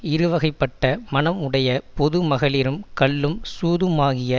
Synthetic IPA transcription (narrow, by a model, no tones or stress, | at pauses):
ɪɾɯʋɐɣɐɪpːɐʈːɐmɐnɐmɯɽɐjɐpɔðɯmɐɣɐɭɪɾɯmkɐɭːɯmsuːðɯmaːɣɪjɐ